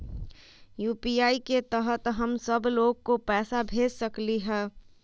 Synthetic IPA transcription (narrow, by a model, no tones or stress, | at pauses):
juːpiaːiket̪əɦət̪ɦəmsəbloːɡ̚kopɛːsabʱeːd͡ʒsəkliɦɛ̃ː